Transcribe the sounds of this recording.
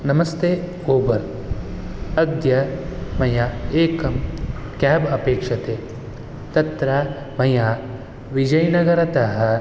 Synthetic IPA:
nɐmɐst̪eː | oːbɐɾ | ɐd̪jɐmɐjaeːkɐmkaːbɐpeːkʂɐt̪eː | t̪ɐt̪ɾɐ | mɐja | ʋid͡ʒɐjnɐɡɐɾɐt̪ɐɦɐ

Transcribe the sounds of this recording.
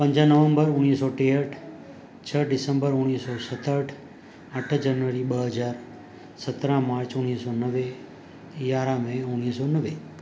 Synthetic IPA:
pə̃ɲd͡ʒanəʋə̃mbəɾʊnisɔʈeəʈʰ | t͡ʃʰəɖɪsə̃mbəɾʊɽ̃iːsɔsət̪əʈʰ | əʈʰd͡ʒənʋəɾiɓəɦəd͡ʒaːɾ | sət̪ɾãmaːɾt͡ʃʊnisɔnəʋe | jaːɾãmẽʊñiːsɔnəʋe

